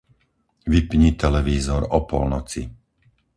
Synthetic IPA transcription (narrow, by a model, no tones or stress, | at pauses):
ʋipɲit̪ɛlɛʋiːzɔɾɔpɔ̰lnɔt͡sḭ